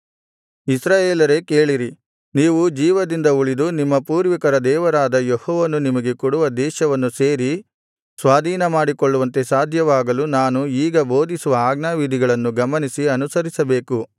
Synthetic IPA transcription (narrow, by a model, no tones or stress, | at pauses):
isɾaːjeːlɐɾeke̞ːɭiɾi | niːʋud͡ʒiːʋɐd̪ind̪ɐuɭid̪unimːɐpuːɾʋikɐɾɐd̪ɛːʋɐɾaːd̪ɐjehɔːʋɐnːunimɐɡe̞kuɽuʋɐd̪ɛːʃɐʋɐnːuseːɾi | sʋaːd̪ʱiːnɐmaːɽikɔɭːuʋɐnt̪e̞saːd̪ʱjɐʋaːɡɐlunaːnuiːɡɐbo̞ːd̪isuʋɐaːɡnaʋid̪ʱiɡɐɭɐnːuɡɐmɐnisiɐnusɐɾisɐbeːku